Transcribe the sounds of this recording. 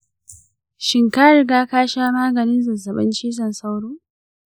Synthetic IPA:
ʃɪ˨ŋkaː˦ɾɪ˨ɡaː˦kaː˦ʃaː˦maː˦ɡɐ˨nɪ˦nzɐ˨zɐ˨ɓɐ̰˦nt͡ʃiː˦s̬ɐ˨nsa˦wɽuː˦

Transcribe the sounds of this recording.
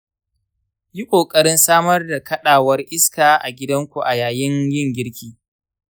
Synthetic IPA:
ji˦kʷʼoː˨kʼɐ˦ɾɪ˦nsaː˦mɐ˦rda˨kɐ˦ɗaː˨wɐ˦rʔɪ˦skaː˨ʔa̰˨ɡʲɪ˦dɐ˦ŋkʷu˨ʔa˨jaː˨jɪ˦ŋjɪ˦˨ŋɡʲɪ˦ɾkʲiː˦

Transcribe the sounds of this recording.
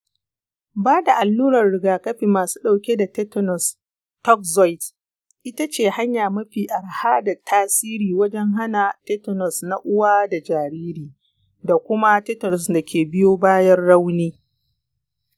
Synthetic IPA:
baː˦da˨ʔa˨lːuː˦ɾɐ˨rɽɪ˨ɡaː˨kɐ˦ɸiː˨maː˨su̥ː˦ɗa˨wkʲe˦da˨tɛ˦tɔ˨nɔ˨s | tɔ˦k̚zɔ˦jt | ʔɪ˦ta˦t͡ʃeː˨ha˦ɲjaː˨mɐ˦ɸiː˨ʔa˨rhaː˦da˨tʰaː˦siː˦ɾiː˨wɐ˦d͡ʒɛ˦ŋɦa˦na˨tɛ˦tɔ˨nɔ˨sna˦ʔʊ˦waː˦da˨d͡ʒaː˨ɾiː˦ɾiː˨ | da˨kʷʊ˦ma˦tɛ˦tɔ˨ɔ˨sda˨kʲʰeː˨bɪ˦joː˦baː˦jɐ˦rːa˦wniː˦

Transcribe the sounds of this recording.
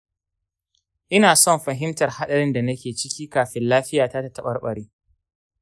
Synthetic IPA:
ʔɪ˦naː˨sɔ˦mɸɐ˨ɦɪ˦mtɐ˨rha˦ɗɐ˨ɾɪ˦nda˨nɐ˦kʲeː˨t͡ʃɪ˦kʲiː˦kaː˨ɸɪ˦nlaː˦ɸɪ˦jaː˨ta˦ta˦tɐ˦ɓɐ˨rɓɐ˨ɽiː˦

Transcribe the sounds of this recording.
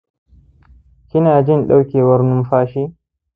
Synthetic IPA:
kʲɪ˦naː˨d͡ʒɪ˦˨nɗa˦wkʲeː˨wɐ˦rnʊ˦mɸaː˦ʃiː˦

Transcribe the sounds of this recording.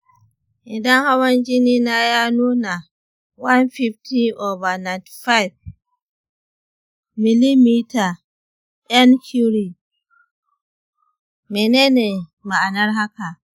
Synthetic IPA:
ʔɪ˨dɐ˦ŋha˦wɐ˦nd͡ʒɪ˦niː˦na˦ja˦nuː˦na˨ | wa˦nɸi˦fti˦ʔo˨va˨na˨tfa˦jb̚ | mi˨li˦mi˦ta˨ | ʔa˦nkʰu˦ɾi˨ | meː˨neː˦ne˨ma˨ʔa˨nɐ˦rɦa˦ka˨

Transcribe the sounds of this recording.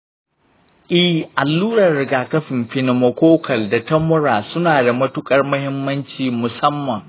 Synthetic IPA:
ʔɪ˦hʔa˨lːuː˦ɾɐ˨rːɪ˨ɡaː˨kɐ˦ɸɪ˨mɸɪ˨nɪ˨mɐ˨kʷoː˦kɐ˨lda˨tɐ˦mʊ˦ɾaː˨sʊ˦naː˨da˨mɐ˦tʊ˦kʼɐ˨rmʊ˦hɪ˦mːɐ˦nt͡ʃiː˨mʊ˨sɐ˦mːɐ˨ŋ

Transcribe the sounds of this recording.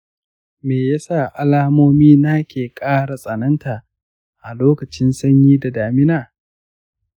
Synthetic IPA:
meː˨ja˦sa˦˨ʔa˨laː˦moː˦miː˦na˦kʲeː˨kʼaː˦ɽa˨sʼɐ˨nɐ˦nta˨ʔ | ʔa˨loː˦kɐ˨t͡ʃɪ˦nsɐ˦ɲjiː˦da˨daː˨mɪ˦naː˨

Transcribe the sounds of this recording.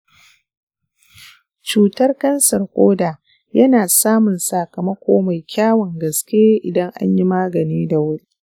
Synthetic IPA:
t͡ʃuː˨tɐ˦rkɐ˦nsɐ˨rkʷʼoː˦daː˨ | jɐ˦naː˨saː˦mʊ˨nsaː˨kɐ˨mɐ˦kʷoː˦ma˨jkʲaː˦wɐ˨ŋɡɐ˨skʲe˦ʔɪ˨dɐ˦ŋʔa̰˦ɲji˦maː˦ɡɐ˨niː˦da˨wʊ˦ɾi˦

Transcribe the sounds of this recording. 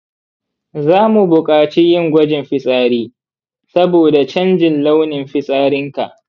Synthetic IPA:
zaː˦mu˨bʊ˨kʼaː˨t͡ʃi˦jɪ˦ŋɡʷɐ˦d͡ʒɪ˨mɸɪ˦sʼaː˦ɾiː˦ | sɐ˦boː˨da˨t͡ʃɐ˦nd͡ʒɪ˨nla˦wnɪ˨mɸɪ˦sʼaː˦ɾɪ˦ŋka˨ʔ

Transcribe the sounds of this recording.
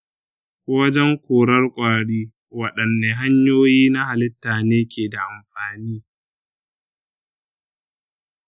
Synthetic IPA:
kʷo˦wɐ˦d͡ʒɛ˦ŋkʷoː˨ɽɐ˦rkʷʼaː˨ɽiː˦ | wɐ˨ɗɐ˨nːe˨ɦa˦ɲjoː˦jiː˦na˦ha˨lɪ˦tːaː˨neː˦kʲeː˨da˨ʔa˨mɸaː˨niː˦

